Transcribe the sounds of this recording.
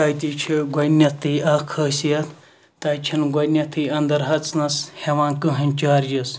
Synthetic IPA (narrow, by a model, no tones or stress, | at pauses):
aːjt̪ʲit͡ʃʰiɡʷɐnʲɐt̪ʰːɨaːkʰəːsijɐt̪ | t̪ɐːjt͡ʃʰinɡʷɐnʲɐt̪ʰɨjɐnd̪ɐɾɦɐt͡snɐsheʋãːnkɨɦɐnʲt͡ʃaːɾjɐs